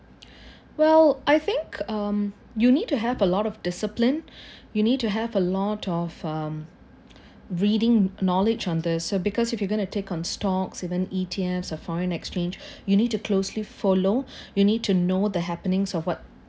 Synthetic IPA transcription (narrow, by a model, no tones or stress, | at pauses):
wɛlˠʔaɪθɪ̃ŋkʰʌm | junid̚tuɦɛvəlɔɾɔvdɪsəplɪ̃njunid̚tuɦɛvəlɔtʰɔvʌm | ɹidɪ̃ŋnɔlɪd͡ʒɔ̃nd̪ɪsːobɪkʰɔsɪfjɔɡõnutʰekɔ̃nstɔksivə̃nitʰiɛmsɔfɔɹə̃nɛkst͡ʃẽnd͡ʒjuniːd̚tukʰloslifolojunid̚tʰunod̪əɦæpənɪ̃ŋsɔfwɔt̚